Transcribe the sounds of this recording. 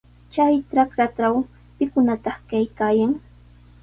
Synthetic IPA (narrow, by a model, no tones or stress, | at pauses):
t͡ʃajʈ͡ʂakɾaʈ͡ʂaw | pɪkʊnat̪ɑχkajkaːjaŋ